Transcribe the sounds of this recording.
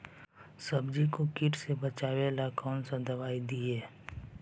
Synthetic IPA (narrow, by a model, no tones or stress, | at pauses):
səbd͡ʒikokɪʈsebət͡ʃaːʋelakɔːnsãd̪ɐʋaːid̪ieː